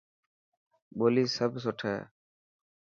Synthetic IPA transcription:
bolisəbsɔʈʰa

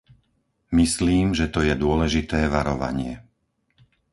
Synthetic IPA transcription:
misliːmʒɛt̪ɔjɛd̪ʊɔlɛʒit̪ɛːʋaɾɔʋa̰ɲɪɛ

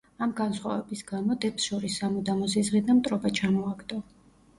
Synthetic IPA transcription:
amɡansχwa̰vɛbisɡamɔd̪ɛpsʃɔɾisːamɔd̪amɔs̬izʁid̪amt̪ʼɾɔbat͡ʃʰamɔaɡd̪ɔ

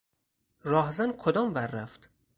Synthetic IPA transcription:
rɒːɦzænkʰod̪ɒːmvæɾːæft̪

